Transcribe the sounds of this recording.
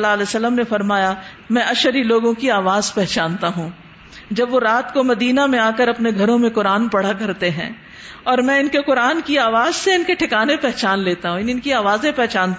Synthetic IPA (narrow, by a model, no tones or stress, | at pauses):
laɐlɛːsɐlːəmnefɐɾmaːja | mɛ̃ːʔɐʃəɾiloːɡõkiaːʋaːzpɛɦt͡ʃaːnt̪aɦũː | d͡ʒɐbʋoɾaːt̪komɐd̪iːnamẽaːkəɾɐpneɡʱɐɾõmẽqʊɾaːnpɐɽ̤akɐɾt̪eɦɛ̰̃ː | ɔːɾmɛ̃ːɪnkeqʊɾaːnkiaːʋaːzseɪnkeʈʰɪkaːnepɛɦt͡ʃaːnleːt̪aɦũɪnɪnkiaːʋaːzẽpɛɦt͡ʃaːnt̪